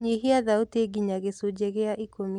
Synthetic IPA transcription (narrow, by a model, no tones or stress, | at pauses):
ɲeɦiaðauteɡiɲaɣesud͡ʒɛɣeaʔikomi